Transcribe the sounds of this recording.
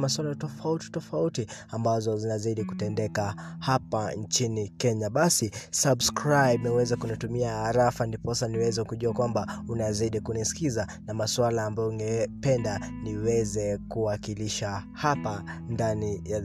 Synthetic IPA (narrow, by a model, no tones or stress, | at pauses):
maswalatɔfauti̥tɔfautiambazɔzinazaiɗiku̥tɛndɛkahapant͡ʃinikɛɲaɓasisabskɾajbnɛwɛzakunitumiaːɾafandipɔsaniwɛzɛkuʄuakwambaunazaiɗikunisi̥kizanamaswalaːmbajɔuŋɡɛpɛndaniwɛzɛkuwakiliʃa | hapandanija